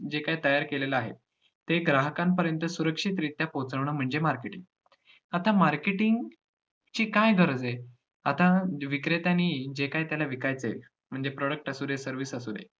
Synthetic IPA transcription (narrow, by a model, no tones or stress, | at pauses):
d͡ʑekajt̪əjaɾkelelaaɦḛ | t̪ːeɡɾaɦəkãmpəɾjənt̪əsuɾəkʂit̪ɾit̪japot͡səʋɳəm̤əɳd͡zemaɾkeʈiŋɡ | at̪amaɾkeʈiŋɡ | t͡ɕiːkajɡʱəɾəd͡ze | at̪aʋikɾet̪aniːd͡ʑekajt̪jalaʋikajt͡sḛ | m̤əɳd͡zepɾɔɽək̚ʈəsud̪esəɾʋiːsəsuːd̪ḛ